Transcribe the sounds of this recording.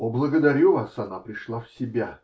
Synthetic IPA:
oblˠəɡəd̪ɐɾʲuvasɐnapɾʲɪʂlˠafsʲɪbʲa

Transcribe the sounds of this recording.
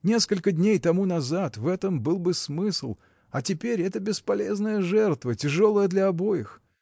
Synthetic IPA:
nʲe̞skəlʲkəd̪ʲnʲejt̪ɐmunɐzat̪vɛt̪əmbɨlˠbɨsmɨslˠ | ɐtʲɪpʲeɾʲɛt̪əbʲɪspɐlʲe̞znəjəʐɛrt̪vətʲɪʐo̞lˠəjəd̪lʲɐɐbo̞jɪx

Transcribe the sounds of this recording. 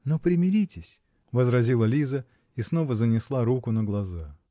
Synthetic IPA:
nopɾʲɪmʲɪɾʲitʲɪsʲ | vəzɾɐzʲilˠəlʲizə | isno̞vəzənʲɪslˠaɾukʊnəɡlˠɐza

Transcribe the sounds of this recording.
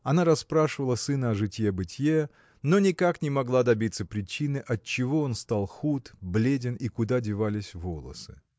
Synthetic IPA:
ɐnaɾɐspɾaʂɨvəlˠəsɨnəɐʐɨtʲjebɨtʲje | no̞nʲɪkaknʲɪmɐɡlˠad̪ɐbʲit̪səpɾʲɪt͡ɕinɨʔɐt̚t͡ɕːɪvo̞onst̪alˠxut̪blʲedʲɪnikʊd̪adʲɪvalʲɪsʲvo̞lˠə̰sɨ̥̰

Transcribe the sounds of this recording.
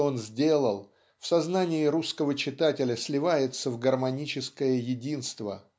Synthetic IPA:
o̞nzʲdʲe̞lˠəlˠ | fsɐznanʲɪɪɾuskəvət͡ɕɪt̪atʲɪlʲəsʲlʲɪvajɪt̪səvɡərmɐnʲit͡ɕɪskəjəjɪdʲinst̪və̰

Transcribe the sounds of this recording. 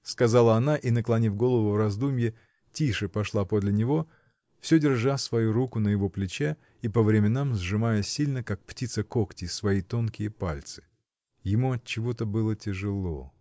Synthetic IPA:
skɐzalˠəɐnaʔinəklˠɐnʲivɡo̞lˠəvʊvrɐzd̪umʲjɪ | tʲiʂɨpɐʂlˠapod̪lʲɪnʲɪvo̞ | fsʲɵdʲɪrʐasvɐjuɾukʊnəjɪvo̞plʲɪt͡ɕe | ipəvɾʲɪmʲɪnamzʐɨmajəsʲilʲnəkak̚ptʲit̪səkoktʲɪsvɐjit̪o̞nkʲɪjəpalʲt̪sɨ̥ | jɪmuɐt̪̚t͡ɕːɪvo̞t̪əbɨlˠətʲɪʐɨlˠo̞̰

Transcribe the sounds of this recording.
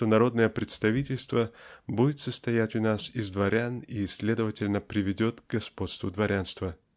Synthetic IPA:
onɐɾo̞d̪nəjəpɾʲɪt̪st̪ɐvʲitʲɪlʲst̪vəbudʲɪt̪səst̪ɐjætʲʊnasɪzd̪vɐɾʲanisʲlʲe̞d̪əvətʲɪlʲnəpɾʲɪvʲɪdʲo̞t̪ɡɡɐspo̞t̪st̪vʊd̪vɐɾʲanst̪və

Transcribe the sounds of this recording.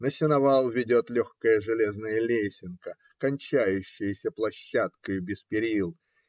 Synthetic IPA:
nəsʲɪnɐvalˠvʲɪdʲo̞t̪lʲoxkəjəʐɨlʲe̞znəjəlʲesʲɪnkə | kɐnʲt͡ɕæjʉɕːɪjəsʲəplˠɐɕːat̪kəjʊbʲɪspʲɪɾʲilˠ

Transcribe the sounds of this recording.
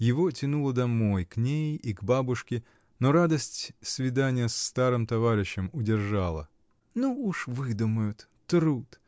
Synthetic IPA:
jɪvo̞tʲɪnulˠəd̪ɐmo̞jknʲejiɡbabʊʂkʲɪ | noɾad̪əsʲtʲsvʲɪd̪anʲɪjəst̪aɾɨmt̪ɐvaɾʲɪɕːɪmʊdʲɪrʐalˠə̰ | nuuʂvɨd̪ʊməjʊt̪ | t̪ɾut̪

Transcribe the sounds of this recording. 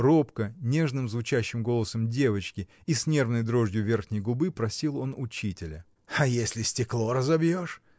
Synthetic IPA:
ro̞pkənʲe̞ʐnɨmzvʊt͡ɕæɕːɪmɡo̞lˠəsəmdʲe̞vət͡ɕkʲɪ | isʲnʲe̞rvnəjd̪ɾo̞ʐdʲjʊvʲe̞rxnʲɪjɡʊbɨpɾɐsʲilˠo̞nʊt͡ɕitʲɪlʲə | ɐjesʲlʲɪsʲtʲɪklˠo̞ɾəzɐbjo̞ʂ

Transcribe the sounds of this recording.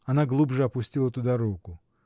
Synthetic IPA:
ɐnaɡlˠubʐɨɐpʊsʲtʲilˠət̪ʊd̪aɾukʊ

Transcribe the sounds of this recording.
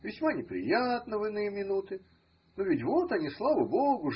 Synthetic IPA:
vʲɪsʲmanʲɪpɾʲɪ̰jat̪nəvɨnɨjmʲɪnut̪ɨ | novʲɪtʲvot̪ɐnʲislˠavəboɡʊ

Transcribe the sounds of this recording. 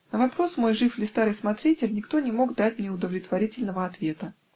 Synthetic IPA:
nəvɐpɾo̞smo̞jʐɨflʲɪst̪aɾɨjsmɐt̪ɾʲitʲɪlʲnʲɪkt̪o̞nʲɪmo̞ɡd̪atʲmnʲɪʊd̪əvlʲɪt̪vɐɾʲitʲɪlʲnəvəɐt̪vʲe̞t̪ə

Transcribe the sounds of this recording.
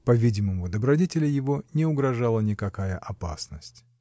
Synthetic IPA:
pɐvʲidʲɪməmʊd̪əbɾɐdʲetʲɪlʲɪjɪvonʲɪʊɡɾɐʐalˠənʲɪkɐkajəʔɐpa̰snəsʲtʲ

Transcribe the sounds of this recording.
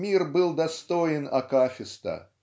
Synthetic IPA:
mʲirbɨlˠd̪ast̪ɔjɪnɐ̰kafʲɪst̪ɐ̰

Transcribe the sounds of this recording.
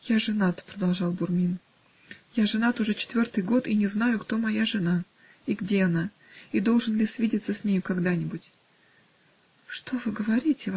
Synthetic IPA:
jaʐɨnat̪ə̥pɾəd̪ɐlˠʐɑlˠbʊrmʲin | jaʐɨnat̪ʊʐɛt͡ɕɪ̥t̪vʲo̞rt̪ɨjɡo̞t̪inʲɪzn̪ajʊkt̪o̞mɐjaʐɨna | iɡdʲe̞ɐna | id̪o̞lˠʐɨnlʲɪsʲvʲidʲɪt̪səsʲnʲejʊkɐɡd̪anʲɪbʊtʲ | ʂt̪o̞vɨɡəvɐɾʲitʲɪ

